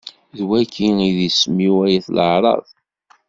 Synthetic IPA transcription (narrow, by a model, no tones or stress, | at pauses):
ðwækʰːiiðismiwæjæθləʕɾˤɑ̰ðˤ